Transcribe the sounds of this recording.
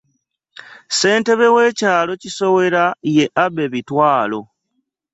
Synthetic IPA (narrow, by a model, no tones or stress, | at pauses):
se̞ːnte̞βe̞we̞ːcaːlo̞ciso̞we̞ɾaje̞ʔabe̞βitwaːlo̞